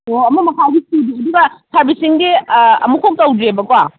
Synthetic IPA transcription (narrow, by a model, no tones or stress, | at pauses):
oɐmɐmɐkʰawɡistudiɐduɡɐsʰaɾbisiŋɡiɐ̰mukʰok̚tɐwdɾebɐkwa